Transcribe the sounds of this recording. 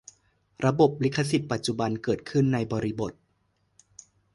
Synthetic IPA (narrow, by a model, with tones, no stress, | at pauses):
ɾa˧bo˨˩p̚li˦˥kʰːa˧si˨˩t̪̚pa˨˩t̪̚t͡ɕu˨˩ba˧nkɤː˨˩t̪̚kʰɯ˥˩nːa˧jbɔː˧ɾi˦˥bo˨˩t̪̚